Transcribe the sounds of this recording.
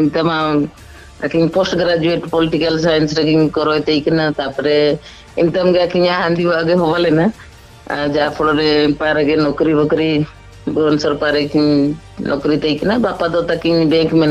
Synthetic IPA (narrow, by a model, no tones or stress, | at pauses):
imt̪ama | a̰kiɲpɔsʈɡɾad͡ʒueʈpɔliʈikalsajnsɾekiɲkɔɾɔjt̪ejkinat̪apɔɾɛ | imt̪amɡeakiɲaɦand̪ibaɡeɦɔbalɛna | d͡ʒaapʰɔɽɔɾɛpaɾɛɡenɔkɾibɔkɾi | bɔɔnsɔɾpaɾekiɲ | nʔɔkɾit̪ejkinabapad̪ɔt̪akiɲbɛŋkmɛna